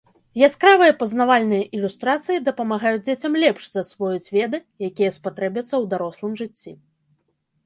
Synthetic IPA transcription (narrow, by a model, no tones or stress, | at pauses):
jaskɾavɨjɐpɐznavalʲnɨjɐʔilʲust̪ɾat̪sɨjid̪ɐpɐmaɣajud͡zʲd͡zʲet͡sʲɐmlʲɛpʂzɐsvɔjut͡sʲvʲɛd̪ɨjakʲijɐspat̪ɾɛbʲɐt̪sːɐwd̪aɾɔslˠɨmʐɨt͡sʲːi